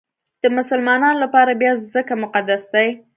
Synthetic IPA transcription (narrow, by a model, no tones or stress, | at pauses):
d̪̥əmʊsəlmɑnɑnolapɑɾabjɑzəkamʊqad̪asd̪aj